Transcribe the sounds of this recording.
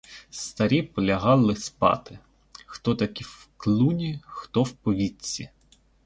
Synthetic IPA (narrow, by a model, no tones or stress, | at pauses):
st̪ɐɾʲipɔlʲɐɦɑlˠɪspɑ̰t̪ɪ | xt̪ɔt̪ɐkʲiwklˠunʲixt̪ɔwpɔʋʲit͡sʲːḭ